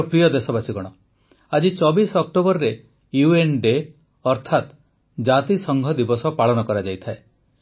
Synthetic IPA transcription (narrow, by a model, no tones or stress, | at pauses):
pɾijɔd̪esɔbasiɡɔɽ̃ɔ | ad͡ʒit͡ʃɔbisɔk̚ʈobɔɾɾe | juenɖe | ɔɾt̪ʰat̪ | d͡ʒat̪isɔŋɡʱɔd̪ibɔsɔpaɭɔnɔkɔɾad͡ʒajt̪ʰae